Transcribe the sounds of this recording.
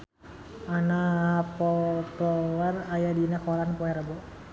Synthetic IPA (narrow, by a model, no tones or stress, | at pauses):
anapɔt̪ɔwarajadinakɔlanpɔɛɾabɔ